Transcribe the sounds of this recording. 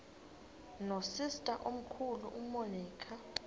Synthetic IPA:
nosistʼaʔom̩kʰulṵʔumoniːkʰa

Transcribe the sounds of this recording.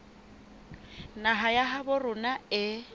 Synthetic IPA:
naɦajaɦabʊrʊnaɪ

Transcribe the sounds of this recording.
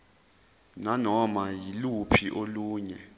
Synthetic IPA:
nanɔmajilupʰiʔoluːɲɛ

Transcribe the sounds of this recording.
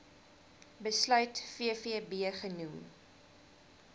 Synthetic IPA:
bəslœɥtfiəfiəbiəχənum

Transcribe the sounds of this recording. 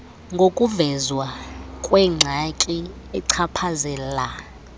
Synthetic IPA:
ŋɡʱokʼuvɛzwakʼwɛŋ͡ǀʱakʼi | ɛǀʰapʰazɛla

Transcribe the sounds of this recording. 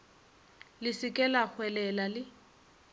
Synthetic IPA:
lɪsɪkʼɛlak͡xwɛlɛlalɪ

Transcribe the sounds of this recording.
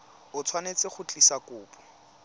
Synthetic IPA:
ʊt͡sʰwanet͡sɪχʊt͡ɬʼisakʼʊːpɔ̥

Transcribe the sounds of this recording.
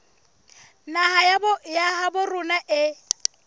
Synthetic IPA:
nahajabjaɦabʊrʊnaʔɪ

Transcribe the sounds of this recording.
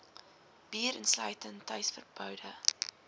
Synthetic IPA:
b̥iəɾənslœjtəntɐjsfərpœwdə

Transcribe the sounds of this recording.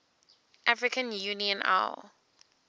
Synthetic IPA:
ʔafɹikʰə̃njuniə̃nʔa̰l

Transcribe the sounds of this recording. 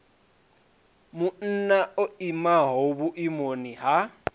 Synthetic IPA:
mʊn̩naoimaɦobʊʔimoniɦa

